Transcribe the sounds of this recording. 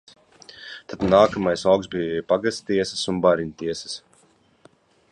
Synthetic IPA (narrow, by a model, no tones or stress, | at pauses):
t̪ad̪naːkamajsawksbijpaɡast̪t̪iɛsə̥sunbaɾinʲt̪iɛsɐ̥s